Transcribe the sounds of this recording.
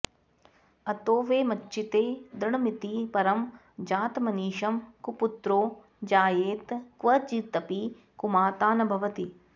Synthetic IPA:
ɐt̪oːʋeːmɐt͡ʃːʃit̪eːd̪ɾɐɳɐmit̪ipɐɾɐm | d͡ʒaːt̪mɐniːʃɐmkuput̪ɾoː | d͡ʒaːjeːt̪kʋɐt͡ʃit̪ɐpi | kumaːt̪aːnɐbʱɐʋɐt̪i

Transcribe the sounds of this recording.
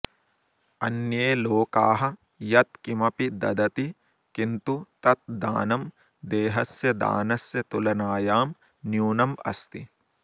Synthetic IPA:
ɐ̰njeːloːkaːɦɐ̆ | jɐt̪̚kimɐpid̪ɐ̰d̪ɐt̪i | kint̪ut̪ɐt̪̚d̪a̰ːnɐm | d̪eːɦɐsjɐd̪a̰ːnɐsjɐt̪ulɐnaːjaːm | njuːnɐmɐ̰st̪i

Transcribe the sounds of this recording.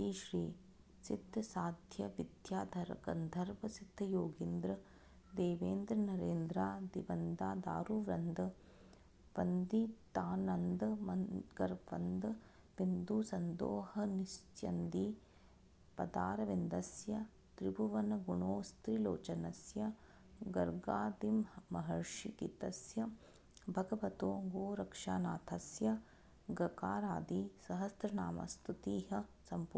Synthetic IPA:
iːʃɾiː | sit̪ːɐsaːd̪ʱjɐʋid̪ʱjaːd̪ʱɐɾɐkɐ̰nd̪ʱɐɾʋɐsid̪ʱɐjoːɡind̪ɾɐ | d̪eːʋeːnd̪ɾɐnɐɾeːnd̪ɾaːd̪ibɐnd̪aːd̪a̰ːɾuʋɾɐnd̪ɐ | pɐnd̪it̪aːnɐnd̪ɐmɐnɡɐɾpɐ̰nd̪ɐ | ʋind̪uːsɐnd̪o̰ːhɐnist̪jɐnd̪i | pɐd̪aːɾɐʋind̪ɐsjɐ | t̪ɾibuʋɐnɐɡuɳoːst̪ɾilo̰ːt͡ʃɐnɐsjɐ | ɡɐɾɡaːd̪imːɐɦɐɾʂikit̪ɐsjɐ | bʱɐɡɐʋɐt̪oːɡoːɾɐkʂaːnaːt̪ʰɐsjɐ | ɡɐkaːɾaːd̪isɐɦɐst̪ɾɐnaːmɐ̰st̪ʰut̪iːɦɐsɐmpː

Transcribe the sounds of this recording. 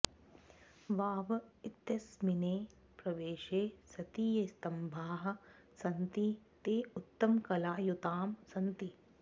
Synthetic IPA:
ʋaːʋɐit̪jɐsmineː | pɾɐʋeːʃeːsɐt̪iːjɐst̪ɐmbʱaːɦɐ̆ | sɐnt̪it̪eːut̪ːɐmkɐlaːjut̪aːmsɐnt̪i

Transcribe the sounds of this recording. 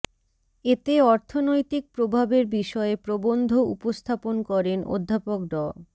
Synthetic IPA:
et̪eɔɾt̪ʰonojt̪ik̚pɾobʱabeɾbiʃɔepɾobond̪ʱoṵpost̪ʰaponkɔɾenʔo̰d̪ʱːapokɖɔ

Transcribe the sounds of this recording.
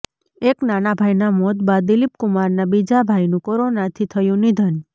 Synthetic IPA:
eknanabʱajnamɔd̪bad̪d̪ɪlip̚kʊmaɾnabid͡ʒabʱajnũkoɾonat̪ʰit̪ʰəjũnid̪ʱən

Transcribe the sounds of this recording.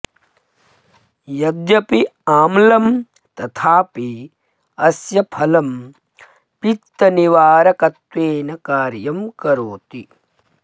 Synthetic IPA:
jɐd̪jɐpiaːmlɐm | t̪ɐt̪ʰaːpi | ɐsjɐpʰɐlɐm | pit̪ːɐniʋaːɾɐkɐt̪ʋeːnɐkaːɾjɐmkɐɾoːt̪i

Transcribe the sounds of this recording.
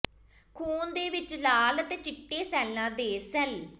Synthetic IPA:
kʰuːnd̪eːʋɪt͡ʃlaːlət̪eːt͡ʃɪʈːeːsɛːlnãːd̪eːsɛl

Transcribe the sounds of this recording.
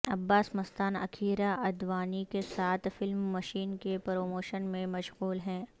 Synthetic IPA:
ɐbːaːsmɐst̪aːnɐ̰kʰiːɾaʔɐd̪ʋaːnikesaːt̪ʰfɪlmːɐʃiːnkepɾoːmoːʃənmẽmɐʃɣuːlɦɛ̃ː

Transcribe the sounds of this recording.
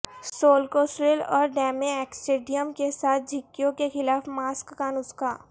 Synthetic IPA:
soːlkoːsɾelɔ̰ːɾɖɛːmeɛksʈeːɖijəmkesaːt̪̚ʰd͡ʒʱɪkːijõkexɪlaːfmaːskːaːnʊskaː

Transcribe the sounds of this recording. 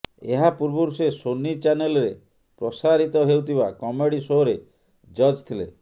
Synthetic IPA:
ḛɦapuɾbɔɾusesonit͡ʃanelɾe | pɾɔsaɾit̪ɔɦewt̪ʰibakɔmeɽisɔɦoɾe | d͡ʒɔd͡ʒt̪ʰile

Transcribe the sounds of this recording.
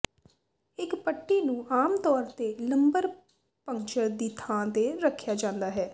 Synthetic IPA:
ɪkpəʈːiːnũːʔaːmt̪ɔːɾt̪eːləmbəɾ | pəŋt͡ʃəɾd̪iːt̪ʰãːt̪eːɾəkʰːjaːd͡ʒãːnd̪aːɦɛː

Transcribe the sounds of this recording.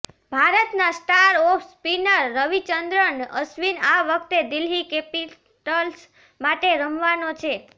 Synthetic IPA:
bʱaɾət̪nasʈaɾɔfʰspinəɾːəʋit͡ʃənd̪ɾəɳəsʋinaʋək̚ʰt̪ed̪ɪlɦikepi | ʈəls | maʈeɾəmʋanot͡ʃʰe

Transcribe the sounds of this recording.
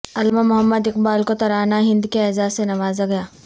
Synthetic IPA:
ɐlmamʊɦəmːəd̪ɪqbaːlkot̪ɐɾaːnaɦɪ̃nd̪keɛzaːsenɐʋaːzaɡɐjaː

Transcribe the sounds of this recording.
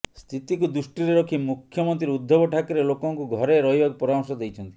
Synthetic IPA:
st̪ʰit̪ikud̪usʈɾiɾeɾɔkʰimukʰːjɔmɔnt̪ɾiɾud̪ʱːɔbɔʈʰakɔɾelokɔŋkuɡʱɔɾeɾɔɦjbaɡpɔɾamɔsɔd̪ejt͡ʃʰɔnt̪i̥

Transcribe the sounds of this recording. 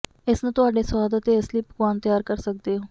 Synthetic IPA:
ɪsnãːt̪ʊɦaːɖeːswaːd̪ət̪eːəsliːpəkwaːnt̪əjaːɾkəɾsək̚d̪eːɦoː

